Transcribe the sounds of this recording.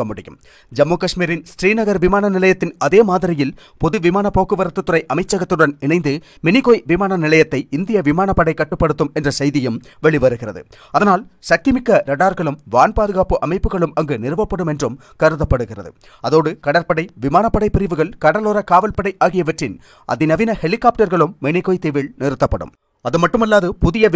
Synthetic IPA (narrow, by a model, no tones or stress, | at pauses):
ɐmːʊɽɪjɯ̰m | d͡ʒɐmːoːkɐʂmiːɾɪnsʈriːnɐɣɐɾʋɪmaːnɐnɪlɐjɐt̪ːɪnɐðeːmaːðɪɾɪjɪl | pɔðɯʋɪmaːnɐpoːkːɯʋɐɾɐt̪ːɯt̪ːɯɾɐɪʔɐmɐɪt͡ʃːɐɣɐt̪ːɪɯɽɐnɪɳɐɪnd̪ɯ | mɪnɪɣoːjʋɪmaːnɐnɪlɐjɐt̪ːɐɪɪnd̪ɪjɐʋɪmaːɳɐpːɐɽɐɪkːɐʈːɯpːɐɽɯt̪ːɯmɛndrɐsɐjðɪjɯm | ʋɛɭɪʋɐɾɯɣɪrɐðɯ̰ | ɐðɐnaːlsɐkːɪmɪkːɐɾɐɽaːɾɣɐɭɯmʋaːnpaːðɯɣaːpɯʔɐmɐɪpːɯɣɐɭɯmɐŋɡɯnɪɾɯʋɐpːɐɽɯmɛndrɯm | kɐɾɯðɐpːɐɽɯɣɪrɐ̰ðɯ̰ | ɐðoːɽɯkɐɽɐɾpɐɽɐɪʋɪmaːnɐpːɐɽɐɪpːɪɾɪʋɯɣɐɭkɐɽɐloːɾɐkaːʋɐlpɐɽɐɪʔaːɣɪjɐʋɐʈrɪn | ʔɐ̰ðɪnɐʋɪnɐhɛlɪkːaːp̚ʈɐɾɣɐɭɯmːɛɳɪkoːjt̪ɛʋɪɭnɪɾɯt̪ːɐpːɐɽɯ̰m | ɐðɯmɐʈːɯmɐlːaːðɯpʊðɪjɐ